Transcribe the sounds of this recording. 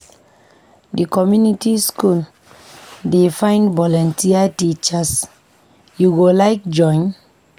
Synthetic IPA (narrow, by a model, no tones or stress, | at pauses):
dikɔmjunitiskul | defãɪj̃ndvɔlɔ̃ntiatit͡ʃas | juɡolaɪk̚d͡ʒɔ̃j̃n